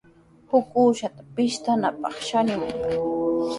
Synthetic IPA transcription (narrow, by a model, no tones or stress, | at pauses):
hʊkuːʃat̪ḁpɪʃt̪anapɑχʃaɲʊŋ